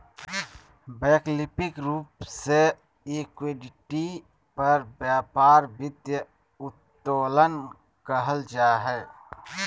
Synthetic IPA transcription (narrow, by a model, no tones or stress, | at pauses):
bɛːklɪpɪkɾuːpse | ekweɖɪʈi | pəɾbjaːpaːɾbɪd̪jə | ʊt̪ː | oːlən | kəɦəld͡ʒaːɦɛː